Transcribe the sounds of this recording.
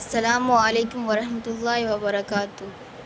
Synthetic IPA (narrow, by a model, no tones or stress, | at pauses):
ɐsːɐlaːmuɐleːkʊmwɐɾɐhmɐt̪ʊlːaːɦiwɐbɐɾɐkaːt̪ʊ